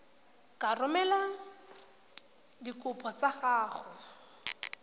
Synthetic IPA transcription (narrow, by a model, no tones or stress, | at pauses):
karʊmɛla | dikʼʊpʰʼɔt͡saχaːχɔ